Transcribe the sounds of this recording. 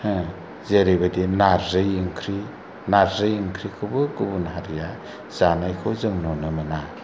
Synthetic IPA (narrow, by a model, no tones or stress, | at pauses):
hɯ̃ | zeɾibadinaɾzɯjiŋkʰɾi | naɾzɯjiŋkʰɾikʰɯbɯɡɯbunɦaɾija | z̥anajkʰɯzɯŋnɔnɯmɯna